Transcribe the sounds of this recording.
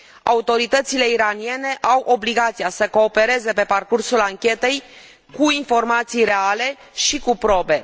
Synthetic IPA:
a̰ut̪o̞ɾit̪ət̪sile̞iɾanije̞ne̞ʔawʔo̞bliɡat̪sijasəko̞ːpe̞ɾe̞ze̞pe̞parkursulaŋkʲe̞t̪e̞j | kuinfo̞rmat̪sijre̞ale̞ | ʃikupɾo̞be̞

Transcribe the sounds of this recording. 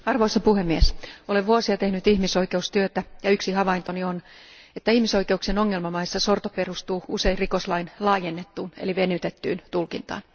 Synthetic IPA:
ɑrʋoisɑpuhemːiesoleʋʋuosiɑt̪ehnyt̪ihmisoike̞ust̪yøt̪æjɑyksihɑʋɑint̪onion | et̪ːæihmiso̞ike̞uksenoŋːelmɑmɑisːɑsort̪operust̪uːuse̞irikoslɑinlɑːjenːet̪ːuːnḛliʋenyt̪et̪ːy̰ːnt̪ulkint̪ɑ̰ːn

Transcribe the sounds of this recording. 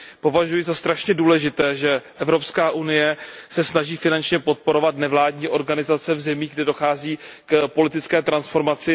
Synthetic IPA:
po̞vaʒujɪzast̪ɾaʃɲɛduːlɛʒɪt̪ɛːʒɛʔɛvɾo̞pskaːʔunɪjɛsɛsnaʒiːfɪnant͡ʃɲɛpo̞t̪̚po̞ɾo̞vat̪nɛvlaːdɲiːʔo̞ɾɡanɪzat͡sɛvzɛmiːɡdɛdo̞xaːziːkpo̞lɪt̪ɪt͡skɛːt̪ɾansfo̞ɾmat͡sɪ

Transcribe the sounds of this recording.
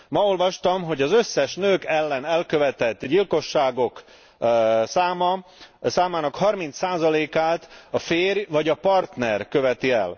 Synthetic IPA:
mɒo̞lvɒʃt̪ɒmɦo̞ɟɒzø̞sːɛʃnøːkɛlːɛnɛlkø̞vɛt̪ɛt̪ːɟilko̞ʃːaːɡo̞k | saːmɒsaːmaːnɒkhɒrmin̪t̪saːzɒleːkaːt̪ɒfeːrjvɒɟɒpɒrt̪nɛrkøvɛt̪iɛl

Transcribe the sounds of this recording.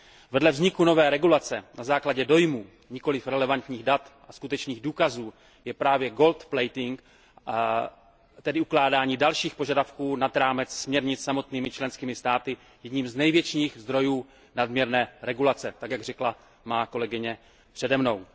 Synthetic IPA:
vɛdlɛvzɲɪkuno̞vɛːɾɛɡulat͡sɛnazaːklaɟɛdo̞jmuː | ɲɪko̞lɪfɾɛlɛvant̪ɲiːɣdat̪ʔaskut̪ɛt͡ʃniːɣduːkazuː | jɛpɾaːvjɛɡo̞lt̪plɛjt̪ɪŋk | t̪ɛdɪuklaːdaːɲiːdalʃiːxpo̞ʒadafkuːnad̪ɾaːmɛt͡ssmɲɛɾɲɪt͡ssamo̞t̪niːmɪt͡ʃlɛnskiːmɪst̪aːt̪ɪ | jɛdɲiːmznɛjvjɛt͡ʃiːxzd̪ɾo̞juː | nadmɲɛɾnɛːɾɛɡulat͡sɛt̪akjaɡrɛkla | maːko̞lɛɡɪɲɛ | pr̥ɛdɛmno̞w

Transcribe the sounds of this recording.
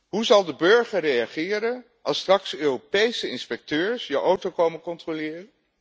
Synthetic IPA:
ɦuzɑlˠdəbɵɹχərejɑχɪːɾən | ɑlˠstrɑksøːropejsəɪnspɛk̚tøːɹsjəʔowtokowmənkɔntrolɪːrən

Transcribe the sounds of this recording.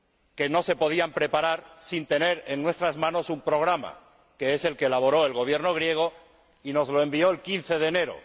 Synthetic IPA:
ke̞no̞se̞po̞ð̞iampɾe̞paɾaɾsint̪e̞ne̞ɾe̞nːwe̞st̪ɾazmãno̞sumpɾo̞ɣ̞ɾama̰ | ke̞ese̞lke̞laβ̞o̞ɾo̞e̞lɣo̞β̞je̞ɾno̞ɣ̞ɾje̞ɣ̞o̞ | ino̞zlo̞e̞mbio̞elkin̟θe̞ð̞e̞ːne̞ɾo̰

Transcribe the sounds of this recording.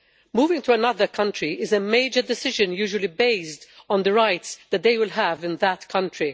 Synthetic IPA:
muːvɪ̃ŋtuənʌðə˞kʰʌ̃ntɹiʔɪzəmeɪd͡ʒədɪsɪʒə̃njuːʒwəlibeɪsdɔ̃nd̪əɹaɪtsðæt̚d̪eɪwɪlɦævɪ̃nðətkʰʌ̃ntɹi

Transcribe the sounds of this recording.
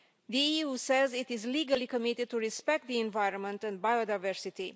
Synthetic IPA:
ðiiusɛzitizliɡəlikəmitɪd̚tuɹispɛk̚t̪̚d̪iɛ̃nvaɪɾə̃nmə̃ntɛ̃n̚bajodajvɛɹsiti

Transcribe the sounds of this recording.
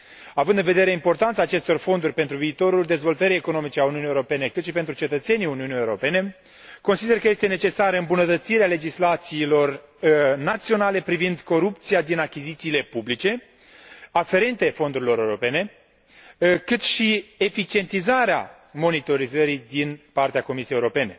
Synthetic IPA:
avɨnd̪ɨnve̞d̪e̞ɾe̞impo̞rt̪ant̪saːt͡ʃe̞st̪o̞rfo̞nd̪urʲpe̞nt̪ɾuviːt̪o̞ɾuld̪ezvo̞lt̪əɾije̞ko̞no̞mit͡ʃe̞auniuniewɾo̞pe̞ne̞kɨt̪ʃipent̪ɾut͡ʃe̞t̪ət̪se̞niuniunijewɾo̞pe̞ne̞ | ko̞nsid̪e̞rkəje̞st̪e̞ne̞t͡ʃe̞saɾəɨmbunət̪ət̪siɾeale̞d͡ʒislat̪siːlo̞r | nat̪sio̞nale̞pɾivind̪ko̞ɾup̚t̪sijad̪inakʲizit̪siːle̞publit͡ʃe̞ | afe̞ɾe̞nt̪e̞fo̞nd̪uɾilo̞ɾewɾo̞pe̞ne̞ | kɨt̪ʃie̞fit͡ʃie̞nt̪izaɾea̰ | mo̞nit̪o̞ɾizəɾid̪inpart̪eako̞misiejeuɾo̞pe̞ne̞

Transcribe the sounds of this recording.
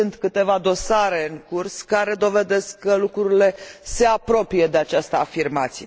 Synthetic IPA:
ɨnt̪kɨt̪e̞vad̪o̞saɾe̞ɨŋkurskaɾe̞d̪o̞ve̞d̪e̞skːəlukɾuɾile̞se̞apɾo̞pije̞d̪e̞at͡ʃast̪əafirmat̪sije

